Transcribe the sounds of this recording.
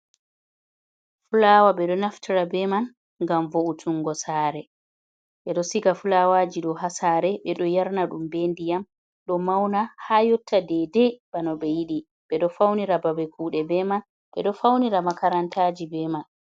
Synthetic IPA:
fulaːwaɓɛɗɔnaftʰiɾabɛman | ŋɡamvoʔutʰuŋɡɔsaːɾɛ | ɓɛɗɔsiɡafulawaːd͡ʒiɗɔɦasaːɾɛɓɛɗɔjaɾnaɗumbendijam | ɗɔmawnahajɔtːadɛdɛb̥anɔɓɛjiɗi | ɓɛɗɔfawniɾababɛkʰuːɗɛbɛman | ɓɛ̰ɗɔfawniɾamakaɾantad͡ʒibɛman

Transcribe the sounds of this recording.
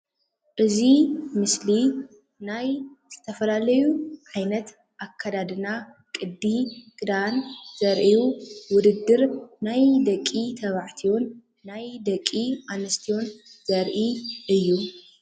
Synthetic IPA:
ʔɨzimɨsli | najz̥ɨt̪ʰɐfɐlalɐjuʕajnɐt̪ | ʔakʰːad̪ad̪ɨna | kʼɨd̪ːiɡʼɨd̪anz̥ɐɾʔijuwʊd̪ɨd̪ːɨɾnajd̪ɐkʼːit̪ʰɐβaʕt̪ʰio̞nː | ajd̪ɐkʼːianɐst̪ʰijo̞nz̥ɐɾʔiʔɨjːu

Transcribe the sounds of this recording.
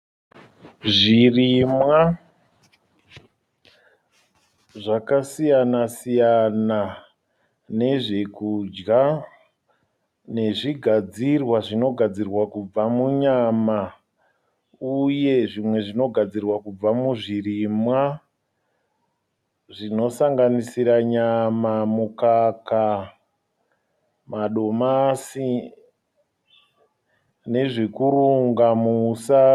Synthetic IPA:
ʐirimwa | ʐakasijanasijana | ne̞ʐe̞kud͡ʒɡa | ne̞ʐiɡʱad͡zirwaʐino̞ɡʱad͡zirwakub͡vamuɲama | uje̞ʐimwe̞ʐino̞ɡʱad͡zirwakub͡vamuʐirimwa | ʐino̞saŋɡanisiɾaɲamamukaka | maɗo̞masi | ne̞ʐikuɾuŋɡamusa

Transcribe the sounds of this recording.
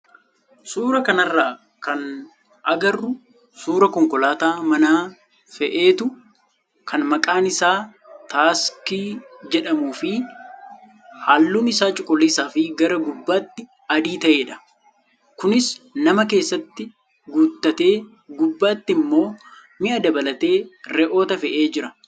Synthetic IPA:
suːɾɐkɐnɐrːaː | kɐn | ʔɐɡɐrːʊ | suːɾɐkɔŋkɔlaːt̪aːmɐnaː | fɛʔe̞ːt̪ʊ | kʰɐnmɐkʼaːnɪsaː | t̪aːskid͡ʒɛᶑɐmuːfɪ | haːlːuːnɪsaːt͡ʃʼʊkʼɔliːsaːfɪɡɐɾɐɡʊbːaːt̪ːɪ | ɐd̪iːt̪ɐʔeːᶑɐ̥ | kʊnɪsnɐmɐk̬e̞ːsːɐt̪ːɪ | ɡuːt̪ːɐt̪e̞ː | ɡʊbːaːt̪ːɪmːo̞ː | mɪʔɐd̪ɐbɐlɐt̪e̞ːɾɛʔo̞ːt̪ɐfɛʔe̞ːd͡ʒɪɾɐ

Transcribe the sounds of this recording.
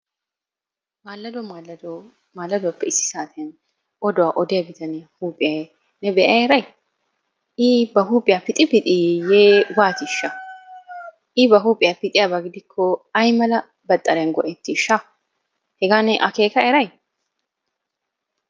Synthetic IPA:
maːlːɐd̪d̪ | maːlːɐd̪ʊwɐpːɛɪsːɪ̥saːt̪ɛɐn | ʔɔd̪ɔwaʔɔd̪ɛjɐbɪt̪ʰɐnɛhuːpʼɪɛ | nɛbɛʔɐɛɾɐj | ɪbɐɦuːpʼɪjapɪt̪ʼɪpɪt̪ʼɪjeːwaːt̪ɪʃːɐ | ʔɪbɐɦuːpʼɪjapɪt̪ʼɪjɐbɐɡɪd̪ɪkʰːɔɐjmɐlɐ | bɐt̪ʼːɐɾɛnɡɔʔɛt̪ːɪʃːɐ | hɛɡaːnɛʔɐke̞ːkɐɛɾɐj

